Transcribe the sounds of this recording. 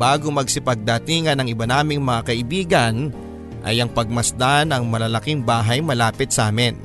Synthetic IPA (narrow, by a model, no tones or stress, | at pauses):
baːɡomɐɡsɪpɐɡ̚d̪ɐt̪iːŋɐnɐŋɪbɐnaːmɪŋmɐŋakɐʔɪbiːɡɐn | ʔɐ̰jɐŋpɐɡ̚mɐsd̪anɐŋmɐlɐlɐkɪŋbaːɦɐjmɐlaːpɪt̪̚saːmɪn